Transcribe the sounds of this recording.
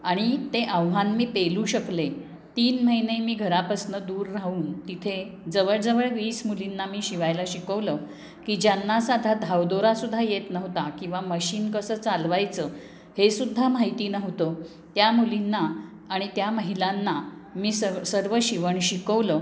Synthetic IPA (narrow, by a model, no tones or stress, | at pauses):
aɽ̃it̪eʔə̃ʋɦanmiːpeluːɕəkle | t̪iːnməɦinemiːɡʱəɾapəsnəd̪uːɾːauːnt̪it̪ʰe | d͡zəʋəɭd͡zəʋəɭʋiːsmulinːamiːɕiʋajlaɕikəʋlə | kiːd͡ʑjanːasad̪ʱad̪ʱaʋd̪oɾasud̪ʱːajet̪nəɦt̪akĩw̃ʋaməɕiːnkəsəːt͡salʋajt͡sə | hesud̪ʱːamaɦit̪iːnəɦt̪ə | t̪jamulinːaː | ɽ̃it̪jaməɦilanːamiːsəsəɾʋəɕiʋəɳɕikəʋlə